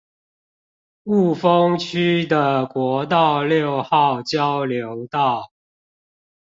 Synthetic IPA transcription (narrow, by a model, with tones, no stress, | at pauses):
u˥˩fə˦ŋt͡ɕʰy˦d̪ə˨kwɔ˨˥˦t̪̬ɑ˥˨ʊljo˥˨ʊxɑ˥˨ʊt͡ɕjɑ˦ʊljo˨˦ʊt̪ɑ˥˨ʊ